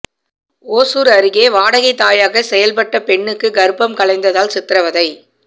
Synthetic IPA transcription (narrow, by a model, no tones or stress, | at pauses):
oːsuːɾɐɾɯɣeːʋaːɽɐɣɐɪt̪ːaːjaːɣɐsɛjɐlpɐʈːɐpɛɳːɯkːɯɡɐɾɯpːɐmkɐɭɐɪnd̪ɐðaːlsɪt̪ːɪɾɐʋɐðɐɪ